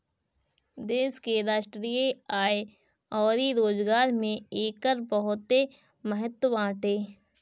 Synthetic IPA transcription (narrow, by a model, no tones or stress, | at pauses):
d̪eːskeɾaːʃʈɾiːeaːe | ɔːɾiɾoːd͡ʒɡaːɾmẽeːkəɾpəɦʊt̪e | məɦət̪wəãːʈeː